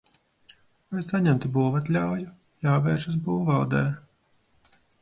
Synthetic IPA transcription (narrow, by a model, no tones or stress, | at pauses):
vajsaɲɛmt̪ibuːvat̪lʲawju | jaːvɛːɾʃas̬buːvalˠd̪ɛː